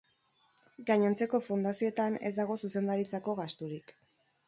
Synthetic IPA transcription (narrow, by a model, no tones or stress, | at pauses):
ɡaɲent͡se̞ko̞fund̪asio̞et̪ane̞̰zd̪aɣ̞o̞suse̞nd̪aɾit͡sako̞ɣast̪uɾik